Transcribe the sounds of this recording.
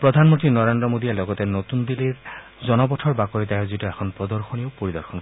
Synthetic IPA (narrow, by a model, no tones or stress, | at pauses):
pɹod̪ʱanmont̪ɹinɔɹend̪ɾɔmod̪ijelɔɡɔt̪ɛnot̪und̪iliɹ | zɔnɔbɔtʰɔɹbakɔɹit̪ɛzitɔɛkʰɔnpɹɔd̪ɔɹxonioʊpoɹid̪ɔɹxʰɔn